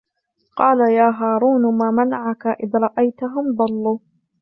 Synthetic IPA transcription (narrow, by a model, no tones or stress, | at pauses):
qɑːlajaːɦaːɾˤuːnmaːmanaʕakaʔɪðɾˤɑʔajt̪aɦʊmd̪ˤɑlːuː